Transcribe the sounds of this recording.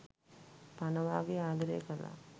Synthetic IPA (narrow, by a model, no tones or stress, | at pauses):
panəʋaːɡeaːd̪ɐɾḛkəla̰